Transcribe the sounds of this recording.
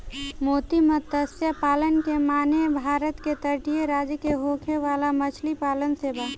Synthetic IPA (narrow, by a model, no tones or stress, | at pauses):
moːt̪imət̪əsjapaːlənkemaːnebʱaːɾət̪ket̪əɾʈijeɾaːd͡ʒəkeɦoːkʰeʋaːlamət͡ʃʰlipaːlənseːba